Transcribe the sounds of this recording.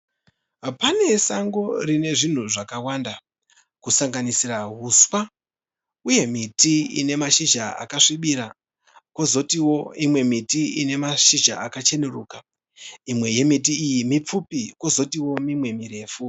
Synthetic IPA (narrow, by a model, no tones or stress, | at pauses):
ɦapane̞saŋɡo̞rine̞ʐin̤uʐakawanda | kusaŋɡanisiraɦuswa | uje̞mitiḭne̞maʃid͡ʒaa̰kaʂiɓiɾa | ko̞zo̞tiwoimwe̞mitiine̞maʃid͡ʒa̰akat͡ʃe̞neruːka | imwe̞je̞mit̬iːjimip͡fupiko̞zo̞tiwo̞mimwe̞miɾe̞ːfu